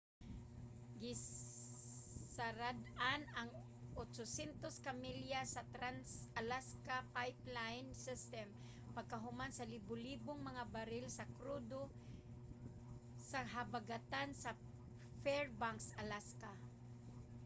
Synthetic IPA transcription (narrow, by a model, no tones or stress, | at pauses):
ɡɪ | saɾad̪anaŋ | ʔot͡ʃosɛnt̪oskamiljasat̪ɾansalaskapajplajnsɪst̪ɛm | paɡ̚kaɦʊmansalibʊliːbʊŋmaŋabaɾɪlsakɾud̪o | saɦabaɡat̪ansa | fɛɹbaŋksalaska